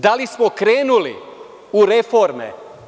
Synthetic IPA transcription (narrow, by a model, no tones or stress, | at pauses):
d̪alismokɾeːnulḭ | uɾefoɾmḛ